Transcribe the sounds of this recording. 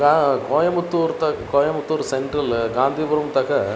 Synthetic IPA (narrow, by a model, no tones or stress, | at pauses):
ɡakoːjɐmut̪ːuːɾt̪ɐkoːjɐmut̪ːuːɾsɛɳʈɾɐlɡaːnd̪ʱiːbʊɾɐmt̪ɐkɐ